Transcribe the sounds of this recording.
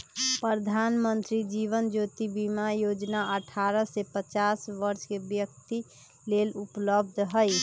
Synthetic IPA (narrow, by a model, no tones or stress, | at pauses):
pɾəd̪ʱaːnmənt̪ɾid͡ʒiːʋənd͡ʒoːt̪ibimajoːd͡ʒnaəʈʰaːɾəsepət͡ʃaːsʋəɾʃkebjək̚t̪i | leːlʊpləbd̪ʱɦəɪ